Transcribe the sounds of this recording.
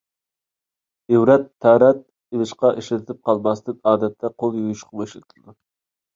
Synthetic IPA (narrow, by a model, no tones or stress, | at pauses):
ewɾɛt̪ʰːæɾɛt̪̚ | elˠɨʃqɑʔeʃlɪt̪ʰɪp̚qʰɑlˠmɑsd̪ɨnɑːd̪ɛt̪ʰːɛqʰolˠjojuʃqʰɑmeʃlɪt̪ʰɨld̪u